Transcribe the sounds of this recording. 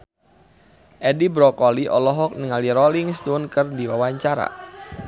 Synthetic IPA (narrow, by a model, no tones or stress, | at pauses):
ʔɛdibɾɔkɔliʔɔlɔɦɔk̚niŋaliɾɔliŋst̪unkɨrdiwawaɲt͡ʃaɾa̰